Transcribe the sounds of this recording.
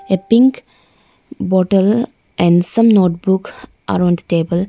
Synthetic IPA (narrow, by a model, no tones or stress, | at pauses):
epĩŋk | bɔːʈəl | ʔɛ̃ɳɖsʌ̃mnoːʈ̚buk | ʔa̰ɾãnɖ̪ʈeːbəl